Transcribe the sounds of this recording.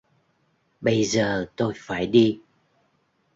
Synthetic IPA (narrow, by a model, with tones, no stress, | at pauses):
ɓə˧jzəː˨˩t̪o˧jfaː˧˩jɗi˧